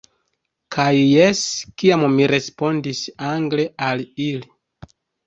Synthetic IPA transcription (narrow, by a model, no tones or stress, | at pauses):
kʰajːe̞skiammiɾe̞spo̞ndisaŋɡle̞alili